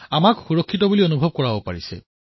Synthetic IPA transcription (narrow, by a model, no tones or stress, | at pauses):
amakxuɹɔkʰːitɔbulionubʱɔb̚kɔɹabopa̰ɹisɛ̰